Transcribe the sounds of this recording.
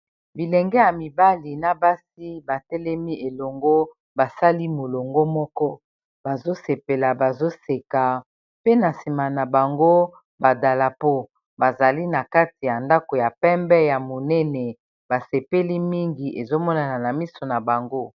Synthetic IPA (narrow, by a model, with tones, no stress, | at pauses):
bi˨lɛ˨ŋɡɛ˦ja˨mi˨ba˦li˨na˦ba˦si˦ba˨tɛ˦lɛ˦mi˦ʔe˨lɔ˨ŋɡo˦ | ba˨sa˦li˦mo˨lo˨ŋɡo˦mɔ˦kɔ˦ | ba˨zo˦se˨pe˨la˨ba˨zo˦se˨ka˨ | pe˦na˨si˨ma˨na˨ba˨ŋɡo˦ | ba˨da˨la˨po˦ | ba˨za˨li˦na˨ka˦ti˨ja˨nda˦ko˨ja˨pɛ˦mbɛ˦ja˨mo˨nɛ˦nɛ˨ | ba˨se˨pe˦li˦mi˦ŋɡi˨ʔe˨zo˦mɔ˦na˨na˨na˨mi˦so˨na˨ba˨ŋɡo˦